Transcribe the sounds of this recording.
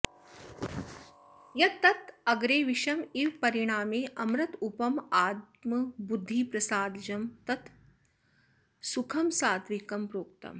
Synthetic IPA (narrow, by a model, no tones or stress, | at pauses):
jɐt̪ːɐt̪ɐɡɾeːʋiʃɐmiʋpɐɾiɽ̃aːmeːʔɐmɾɐt̪upɐmaːt̪̚mɐbud̪ʱːiːpɾɐsaːd̪d͡ʒɐmt̪ɐt̪ | sukʰɐmsaːd̪ʋikɐmpɾoːk̚t̪ɐ̰m